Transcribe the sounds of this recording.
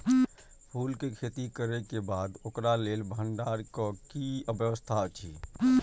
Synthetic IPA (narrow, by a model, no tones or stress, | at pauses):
pʰuːlkekʰeːt̪ikəɾekebaːd̪okɾaleːlbʱəɳɖaːɾkokiəbjəʋəst̪ʰat͡ʃʰḭː